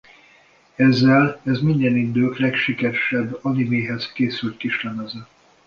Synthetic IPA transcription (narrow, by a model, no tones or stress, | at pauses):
ɛzːɛlɛzmind̪ɛnind̪øːlɛkʃikɛɾʃɛbːɒnimeːɦɛzkeːsylt̪̚kiʃlɛmɛzɛ